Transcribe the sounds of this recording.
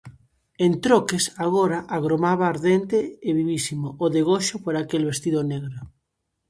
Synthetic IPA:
ent̪ɾokesaɣoɾaʔaɣɾomaβaːɾðent̪eːβiβisimoʔoðeɣ̞oʃopoɾakelβest̪iðoneɣɾo

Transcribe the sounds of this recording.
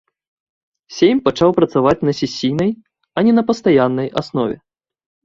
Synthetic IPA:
sʲemʲpat͡ʂawpɾɐt̪savat͡sʲnɐsʲɛsʲijnɐj | ɐnʲɛnɐpɐst̪ajanːɐjasnɔvʲɛ̰

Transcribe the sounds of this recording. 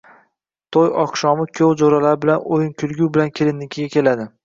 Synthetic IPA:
t̪ʰojɒqʃɒmɪkʲʰowd͡ʒoɾalaɾɪbɪlanojɪnkʰʲʊlɡʲuwbɪlankʲʰɪɾɪnːɪkʲʰɪɡʲakʲʰe̞lad̪ɪ

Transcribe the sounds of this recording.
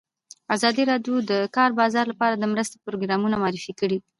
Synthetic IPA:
azɑd̪iɾɑɖjod̪əkɑɾbɑzɑɾlapɑɾad̪əmɾəst̪opɾoɡɾɑmunamɑɾifikəɽi

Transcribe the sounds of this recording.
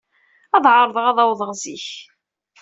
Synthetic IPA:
ɑðˤʕəɾˤðˤʁɑðˤɑwðˤəʁziç

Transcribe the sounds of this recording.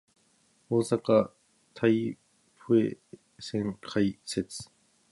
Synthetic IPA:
oːsaka | t̪ʰai | ɸɯe | sẽŋkʰaiset͡sɨ̥

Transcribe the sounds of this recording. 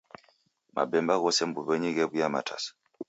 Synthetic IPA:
mʔa̰bɛmbaɣɔsɛmbuβɛɲiɣɛβujama̰tʰa̰sḁ

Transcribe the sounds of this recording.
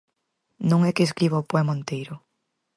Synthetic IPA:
nõŋɛkeskɾiβaopoɛmõnt̪ejɾʊ

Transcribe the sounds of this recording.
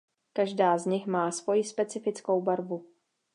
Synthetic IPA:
kaʒdaːzɲɪxmaːsvo̞jɪspɛt͡sɪfɪt͡sko̞wbaɾvu

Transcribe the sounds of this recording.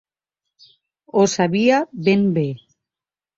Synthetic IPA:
osaβiaβembe

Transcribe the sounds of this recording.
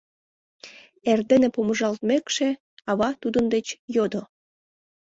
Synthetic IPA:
erd̪enepoməʒɑlt̪mekʃe | ɑβɑt̪ud̪ənd̪et͡ɕjod̪o

